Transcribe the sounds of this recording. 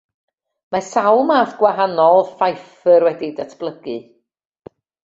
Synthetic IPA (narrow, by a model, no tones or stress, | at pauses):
masawlˠmaːθɡ̥waɦanɔlˠfajf | ərwɛdidatʰb̥lˠəɡ̥ɨ